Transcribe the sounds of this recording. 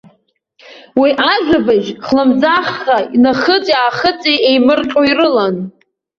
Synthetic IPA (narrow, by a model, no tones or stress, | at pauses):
wiʔaʒᶣʷabaʒχlamzaχːainaχət͡sʼjaːχət͡sʼiejmɨrqʼoirɨlan